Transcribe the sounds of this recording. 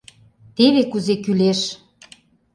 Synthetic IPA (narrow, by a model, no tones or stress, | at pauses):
t̪eβekuzekyleʃ